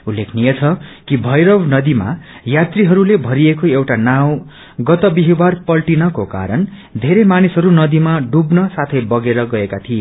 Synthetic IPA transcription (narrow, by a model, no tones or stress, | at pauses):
ulːekʰnijet͡sʰʌkibʱʌjɾʌwnʌd̪ima̰ | jat̪riɦʌɾulebʱʌɾiekoewʈanaw̃ | ɡʌt̪ʌbiɦibarpʌlʈinʌkoka̰ɾʌnd̪ʱeɾemanisɦʌɾunʌd̪imaɖubnʌsat̪ʰʌjbʌɡeɾʌɡʌekat̪ʰie